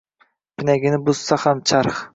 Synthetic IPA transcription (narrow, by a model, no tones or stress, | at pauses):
pʰɪnæɡʲɪnɪbʊz̥sɑhamt͡ʃʰɑɾχ